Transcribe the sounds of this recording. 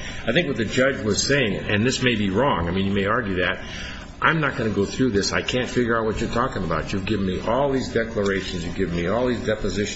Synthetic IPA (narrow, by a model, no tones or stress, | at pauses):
aɪθɪ̃ŋkwʌt̪̚ðɨd͡ʒʌd͡ʒwʌz̥seɪɪ̃ŋɨ̰̃nðɪsmeɪbiɹɔ̃ŋaɪmĩnjɨmeɪɑɹɡjʉðɨt̚ | ʔãɪ̃mnət̚ɡ̥ʌnɨɡoʊθɹʉðɪsaɪkʰæ̃ntfɪɡjə˞aʊt̚wʌt͡ʃə˞tʰɔkɪ̃ŋəbaʊt͡ʃʉvɡɪvn̩miʔɔlˠðizdɛklə˞eɪʃɨ̃n̩zjɨvɡɪvn̩miɔlˠðizdɛpɨzɪʃ